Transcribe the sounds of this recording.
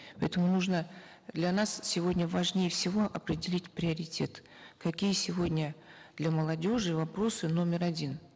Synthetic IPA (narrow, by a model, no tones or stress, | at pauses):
pɐɛt̪əmʊnuʐnə | d̪lʲɐnassʲɪvo̞dʲnʲəvɐʐnʲejəfsʲɪvo̞ʔɐpɾʲɪdʲɪlʲitʲpɾʲɪɐɾʲɪtʲe̞t̪ | kɐkʲijəsʲɪvo̞dʲnʲəd̪lʲɐməlˠɐdʲo̞ʐɨvɐpɾo̞sɨno̞mʲɪɾɐdʲin